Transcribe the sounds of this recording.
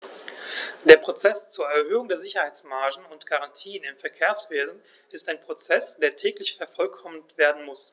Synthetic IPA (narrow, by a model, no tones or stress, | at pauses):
d̥eːɐpʁ̥ot͡sɛst͡suːɐɛɐhøːʊŋdeːɐzɪçɐhaɪt͡smaɐʒn̩ʊntɡ̥aʁantʰiːənɪmfɛɐkʰeːɐsv̥eːzn̩ | ʔɪstaɪnpʁ̥ot͡sɛsd̥eːɐtʰɛːklɪçfɛɐfɔlkʰɔməntv̥eːɐdn̩mʊs